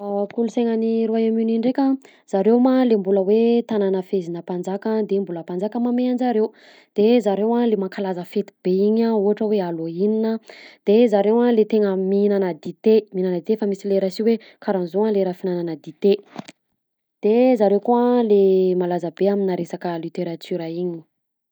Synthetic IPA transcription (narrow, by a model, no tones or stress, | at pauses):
akuluseŋəniɾuajaminiɳɖ͡ʐekʲə | z̥aɾemalembuləwet̪ananəfezinəpand͡zakad̪embuləpand͡zakəmameand͡zaɾew | d̪̥ezaɾewalemakalazəfet̪i̥beiɲauɦaʈ͡ʂəwealoininəd̪̥ezaɾewalet̪eŋəminanəd̪it̪eminanəd̪it̪efamisileɾasiwe | kaɾanzoaleɾafinananəd̪it̪e | d̪̥ezaɾewkualemalazəbeaminaɾesakəlit̪eɾat̪yɾəiɲi̥